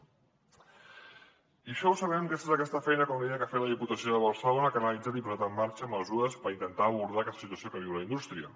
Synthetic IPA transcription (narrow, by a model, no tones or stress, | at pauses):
iʃɔwsəβɛmkɛsezəkɛst̪əfɛjnəkomlikafeləðiput̪əsioðəβəɾsəlonəkənəlid͡zat̪ipuzat̪əmːaɾt͡ʃəməzuɾəspəɾint̪ənt̪aːβuɾðakɛst̪ə̥sit̪uəsjokəβiwləind̪ust̪ɾiə̰